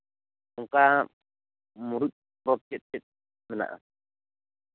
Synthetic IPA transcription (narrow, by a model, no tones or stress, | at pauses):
ɔŋka | muɾut̪̚ | ɾɔt̪̚t͡ʃɛt̪̚t͡ʃɛt̪̚ | mɛna̰ʔa̰